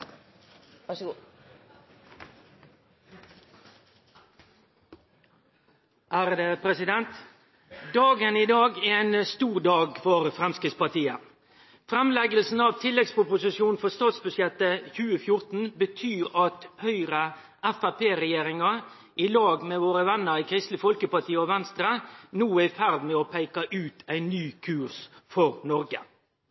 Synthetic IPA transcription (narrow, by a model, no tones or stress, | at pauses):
ʔæːɾd̪epʰɾɛsɪd̪ɛnt̪ | d̪ɑːɡəniːd̪ɑːɡɛɛɪnst̪uːʁd̪ɑːɡfɔɾfɾɛmskʁɪt̪spɑʁt̪iːə | fɾɛmlɛɡəlsn̩ɑʋt̪ʰɪlːɛɡsʊpʊsɪsjuːnfɔst̪ɑːt̪sbʉsjɛt̪ːəçʉːəfjʊɾt̪n̩bət̪ʰyːɾɑt̪hœʏɾə | æfæpʰeːɾɛjeːɾɪŋɑ | ʔɪlɑːɡmeːʋoːɾəʋɛnːəɾɪkʰɾɪst̪lɪfɔlkəpɑt̪ʰiːəɔʋɛnst̪ɾənuːæfæɾd̪mɛːɔpʰæɪkɑʔʉːt̪ʰæɪnːyːkʰʉːʁsfɔɾnɔɾɡə